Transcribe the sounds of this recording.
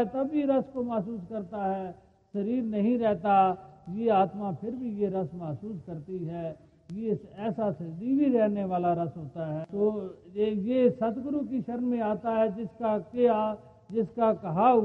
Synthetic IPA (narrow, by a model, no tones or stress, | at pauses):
t̪ɐbːiɾɐskomɐɦsuːskɐɾt̪aɦɛː | sɐɾiːɾnɐɦĩɾɛɦt̪ajeaːt̪mapʰɪɾbʱijeɾɐsmɐɦsuːskɐɾt̪iɦɛː | jeɛːsasɐd̪ibʱiɾɛɦneʋaːlaɾɐsɦoːt̪aɦɛt̪oː | jesɐt̪ɡɾukiʃɐɾnmẽaːt̪aɦɛd͡ʒɪskakea | d͡ʒɪskakɐɦa